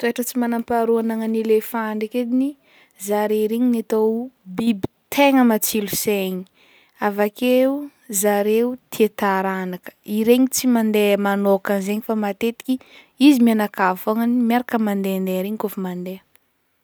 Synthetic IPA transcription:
t̪ueʈ͡ʂət͡simanampaɾuanaŋənilefaɳɖ͡ʐiked̪ini | zaɾeɾeɲinat̪obibi̥t̪ʰeŋəmat͡siluseɲi̥ | avakeu | zaɾeut̪ʰiet̪aɾanakə̥iɾeɲit͡simand̪emanokanzeɲifamat̪et̪i̥kʲi | izimianakavfaŋanimaɾakəmand̪eand̪eɾeɲikofumand̪e

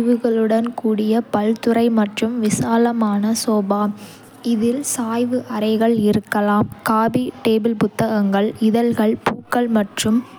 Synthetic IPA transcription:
ʋɯɣɐɭɯɽɐnkuːɽɪjɐpɐlt̪ɯɾɐɪmɐʈrɯmʋɪsaːlɐmaːnɐsoːbaː | ɪðɪlsaːjʋɯʔɐɾɐɪɣɐɭɪɾɯkːɐlaːmkaːbiʈeːbɪlpʊt̪ːɐɣɐŋɡɐɭɪðɐlɣɐɭpuːkːɐɭmɐʈrɯm

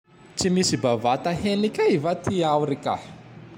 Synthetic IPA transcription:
t͡simisibavat̪aɦenikʲaivat̪iawɾika̰

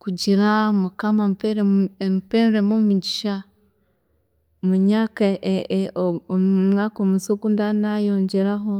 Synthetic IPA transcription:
kud͡ʒiɾamukamampeɾmpenɾemomud͡ʒiʃa | muɲaka | ommŋakomusokundanajoːɲd͡ʒeɾaɦo

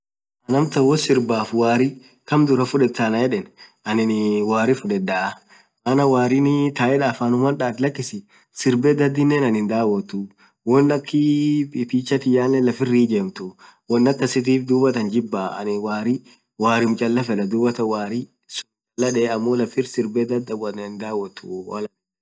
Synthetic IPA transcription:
ʔɐnɐmt̪ɐwɔsɪɾbaːfwaːɾɪ | kɐmd̪ʊɾɐfʊᶑɛt̪ːanɐjɛᶑɛn | ɐnɪnwaːɾɪfʊᶑɛd̪ːaɐ | ʔɐnɐwaːɾɪnɪt̪aːʔɛᶑaːfaːnʊmɐnᶑaːt̪ɪlɐkːɪsɪ | sɪɾbeːd̪ɐd̪ːɪnːeːnɐnɪnd̪aːwɐt̪ʊ | wɔnːɐkːɪpʼitiːt͡ʃːɐt̪ɪjaːnːɛlɐfɪrːiːd͡ʒeːmt̪ʊ | wɔnːɐkːɐsɪt̪̬iːfd̪uːbɐt̪ɐnd͡ʒɪbːaɐ̰nɪwaːɾɪ | waːɾɪmt͡ʃʼɐlːɐfɛᶑɐd̪uːbɐt̪ɐwaːɾɪ | sʊ̥ | t͡ʃʼɐlːɐᶑɛːɐmːoːlɐfɪɾsɪɾbeːd̪ɐd̪ːɐwɐnd̪aːwːɐt̪ːʊwɐ̰lɐ

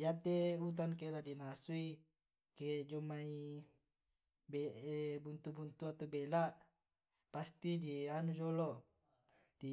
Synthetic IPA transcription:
jat̪eut̪̬ankeladinasui | ked͡ʒumai | bebunt̪ubunt̪uat̪obelaʔ | past̪idianud͡ʒolo | di

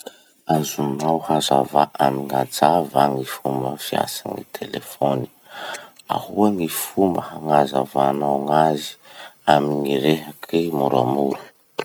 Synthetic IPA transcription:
azunawhazavaʔamiŋad͡zavaŋifumbəfia̰sanḭt̪ʰelefoni̥ | a̰huaŋifumbəhaŋazavaːnawŋazi̥aminiɾeɦakʰimuɾa̰muɾu̥

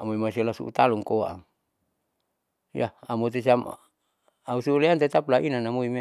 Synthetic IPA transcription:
amuimasialasṵʔṵt̪aluŋkoa̰ŋ | ja̰amot̪̬es̬iam | ausuuleant̪et̪aplaʔinanamuime

